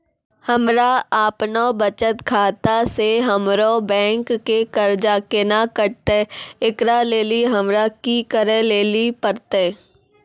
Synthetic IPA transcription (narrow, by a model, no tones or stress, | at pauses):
həmɾaaːpnobət͡ʃət̪kʰaːt̪aseɦəmɾobɛ̃ːŋkːekəɾd͡ʒakenakəɾt̪eɪkɾaleːliɦəmɾakikəɾeleːlipəɾt̪eː